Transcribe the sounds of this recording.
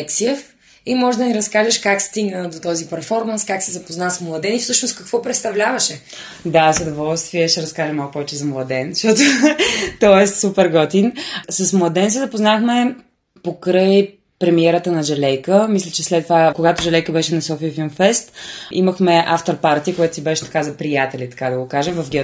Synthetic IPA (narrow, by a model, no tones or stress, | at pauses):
ɛksiɛf | imɔʒd̪ɐniɾɐskaʒɛʃkakst̪iɡnəd̪ot̪ɔzipɛɾfɔɾmɐnskaksɛzɐpoznasmlˠɐd̪ɛnifsɤʃnoskɐkvɔpɾɛt̪st̪ɐvlʲavɐʃɛ | d̪azɐd̪ovɔlˠst̪viəʃɛɾɐskaʒɛmalˠkupɔvɛt͡ʃɛzɐmlˠɐd̪ɛnʃt̪ɔt̪ot̪ɔɛst̪supɛɾɡɔt̪insəsmlˠɐd̪ɛns̬ɛzɐpoznaxmɛ | pokɾɤj | pɾɛmiɛɾət̪ənɐʒɛlɛjkəmislʲɛt͡ʃɛslɛt̪ːvakoɡat̪ʊʒɛlɛjkəbɛʃɛnɐsɔfiəfilˠmfɛst̪ʔiməxmɛʔaft̪oɾpaɾt̪iəkojɛt̪ʊsibɛʃɛ̥t̪ɐkazɐpɾijat̪ɛlʲit̪ɐ̥kad̪ɐɡokaʒɛmvɐfɡʲɛ